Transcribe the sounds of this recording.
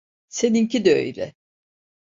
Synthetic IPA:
seniŋcid̪ø̰jlɛ̰

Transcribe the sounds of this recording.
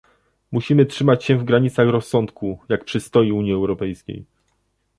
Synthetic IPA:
muɕimɘtʂɘmat͡ɕɕɛ̃vɡɾaɲit̪saxɾɔsːɔnt̪kujak̚pʂɘst̪ɔjiuɲjiɛwɾɔpɛjskʲḛj

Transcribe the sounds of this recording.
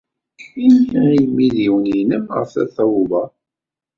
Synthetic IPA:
inçæimiðiwəninəmʁə̰fθæ̰θɑwuvɑ

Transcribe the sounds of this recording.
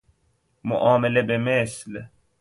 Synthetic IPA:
mʊ̰ʔɑːmelebemesl

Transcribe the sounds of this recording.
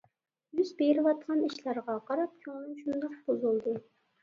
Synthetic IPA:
jyzbejɾɪwɑt̪̚qʰɑniʃlæɾʁɑqʰɑɾɑp̚kʲʰoŋnɨŋʃund̪ɑqbozulˠd̪ɨ

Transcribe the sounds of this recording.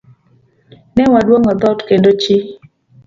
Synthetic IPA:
nɛwadwoŋɔd̪ɔtkendot͡ʃi

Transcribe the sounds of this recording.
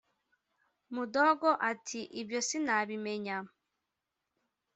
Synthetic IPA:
mudoɡoʔatʰiʔibjo̞sinaβimeɲa

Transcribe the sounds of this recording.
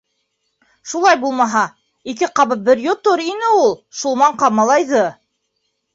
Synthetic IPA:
ʃulˠɑjbulˠmɑɦɑ | ikɘqɑβɤp̪̚bɘɾjot̪oɾinɘulˠʃulˠmɑɴqɑmɑlˠɑjðɤ

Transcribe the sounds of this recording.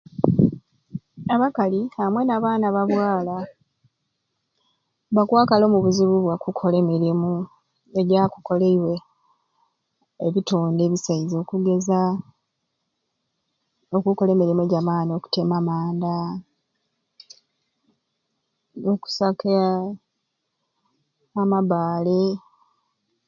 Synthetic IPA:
aβakalihamwe̞naːβaːnaβaβwaːla | βakwaːkalo̞ːmuβuziβuβwakukʰo̞le̞meɾemu | eɟaku̥ko̞leiwe̞ | βituːnde̞ːβisaizo̞ːkuɡe̞za | okuko̞leːmiɾimue̞ɟamaːnio̞ku̥temamaːnda | noku̥sakea | maβaːli

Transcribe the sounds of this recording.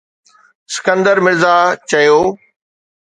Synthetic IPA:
sɪ̥kə̃nd̪əɾmɪɾzaːt͡ɕɐjoː

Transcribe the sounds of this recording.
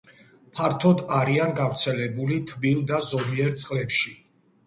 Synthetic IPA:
pʰaɾt̪ʰɔd̪aɾianɡavɾt̪sʰɛlɛbulit̪ʰbilˠd̪azɔmiɛɾt̪sʼqʼlɛpʃi

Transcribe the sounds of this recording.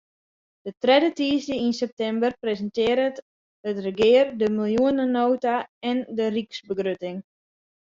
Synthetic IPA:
d̥ətrɛdətiːzdəinsɛp̚tɛmbərprezəntɪːəɾət | ətrəɡɪərdəmilˠjuənənoːtaɛndəriksbəɡrøtɪŋ

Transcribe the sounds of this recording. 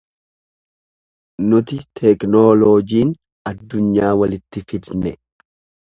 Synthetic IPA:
nʊt̪ɪt̪ʰɛknoːloːd͡ʒiːn | ɐd̪ːʊɲːaːwɐlɪt̪ːɪfɪd̪nɛ

